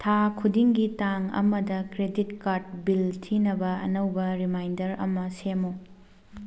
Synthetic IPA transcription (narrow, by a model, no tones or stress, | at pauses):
tʰakʰudiŋɡitaŋɐ̰mɐdɐkɾeditkaɾd̚biltʰinɐbɐɐ̰nɐwbɐɾimajndɐɾɐ̰mɐsemo